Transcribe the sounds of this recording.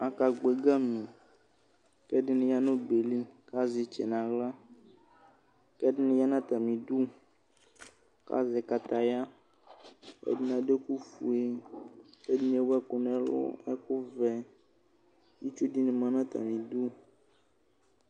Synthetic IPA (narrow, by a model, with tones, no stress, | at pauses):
a˨ka˨ɡ͡be˨ɡa˦mĩ˨ | kɛ˦ɖɪ˦nẽ˨ja˦nõ˦be˨li˦ka˦zi˨t͡ʃɛ̰˨nã˨ɣla˦ | kɛ˦dɪ˦nẽ˦ja˦nã˦t̪a˨mĩ˨du˦ | ka̰˦zɛ˨ka˨t̪a˨ja˦ | ḛ˦di˦nã˨ɖe˦ku˦fu˨e˦ke˦di˦n˨˦e˦wɛ˦kʊ˨nɛ̃˦lɔ̰˦ɛ˦ku˦vɛ˨ | ji˦t͡ʃo˦di˦nẽ˨mã˨nã˦t̪a̰˨mĩ˨du˦